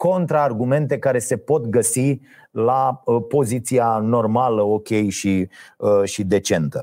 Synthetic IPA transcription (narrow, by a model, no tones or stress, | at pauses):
ko̞nt̪ɾaːrɡume̞nt̪e̞kaɾe̞se̞po̞t̪ɡəsi | lapo̞zit̪siano̞rmaləo̞kʲe̞jʃi | ʃid̪e̞t͡ʃe̞nt̪ə